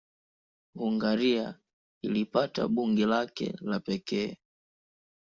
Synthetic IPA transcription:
ɡuŋɡaɾia | ilipata̰ɓuŋɡɛlakɛ̰lapɛkɛː

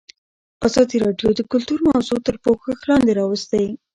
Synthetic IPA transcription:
azɑd̪iɾɑɖjod̪əkʊlt̪uɾmazut̪əɾpoxəxlɑnd̪eɾɑwəst̪a

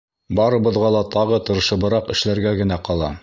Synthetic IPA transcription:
bɑɾɤ̆bɤ̆ðʁɑlˠɑt̪ɑʁɤt̪ɤ̆ɾɤ̆ʃɤ̆βɤ̆ɾɑqɘ̆ʃlæɾɡæɡɘ̆næqɑlˠɑ̰

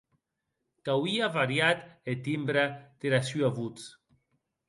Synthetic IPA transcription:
kawiavaɾjat̪et̪imbɾat̪eɾasyavut͡s

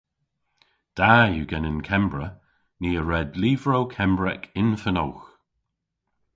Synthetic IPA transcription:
d̥ajuɡɛnɪnkʰɛmbɹə | niːəɹɛdliːvɹowkʰɛmbɹɛ̰kʰɪnfəno̰wx

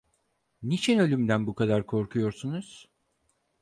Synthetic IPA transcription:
nit͡ʃʰinø̞lʲymd̪ænbukʰad̪aɾkʰo̞ɾkʰujo̞ɾsunuz̥

